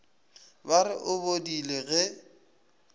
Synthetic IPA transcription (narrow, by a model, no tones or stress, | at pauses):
baɾɪʔʊbodileɣɛ